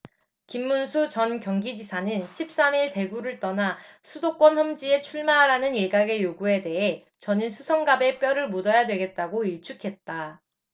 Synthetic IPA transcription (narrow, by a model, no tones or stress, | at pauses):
kimːunsʰut͡ɕʌnkjʌŋɡid͡ʑisʰanɯnɕʰip̚s͈amiɭte̞ɡuɾɯɭt͈ʌnasʰudok͈wʌnɸʌmd͡ʑie̞t͡ɕʰuɭmaɾanɯneɡaɡe̞joɡue̞de̞ɦe | t͡ɕʌninsʰusʰʌŋɡabe̞p͈jʌɾɯɭmudʌjadwe̞ɡe̞t̚t͈aɡoiɭt͡ɕʰukʰe̞t̚t͈a